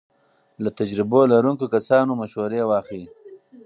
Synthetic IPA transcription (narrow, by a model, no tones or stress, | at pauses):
lat̪ad͡ʒɾɪbolaɾuŋkokasɑːnomaʃwoɾewɑːxi